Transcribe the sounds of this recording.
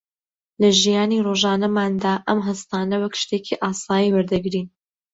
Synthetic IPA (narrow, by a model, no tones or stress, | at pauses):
lɐʒijaːniroʒaːnɐmaːnd̪aːʔɐmɦɐst̪aːnɐwɐkʃt̪ekʰiʔaːsaːjiwɐɾd̪ɐɡɾiːn